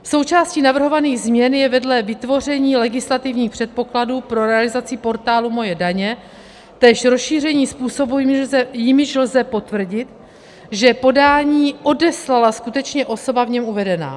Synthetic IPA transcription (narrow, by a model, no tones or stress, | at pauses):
fso̞wt͡ʃaːsciːnavr̩ɦo̞vaniːɣzmɲɛnjɛvɛdlɛvɪt̪vo̞r̝ɛɲiːlɛɡɪslat̪ɪvɲiːxpr̝̥ɛt̪̚po̞kladuːpɾo̞ɾɛalɪzat͡sɪpo̞ɾt̪aːlumo̞jɛdaɲɛ | t̪ɛːʃɾosʃiːr̝ɛɲiːspuːso̞buzɛjɪmɪʃlzɛpo̞t̪vr̩ɟɪt̪ | ʒɛpo̞daːɲiːʔo̞dɛslalaskut̪ɛt͡ʃɲɛʔo̞so̞bavɲɛmuvɛdɛna̰ː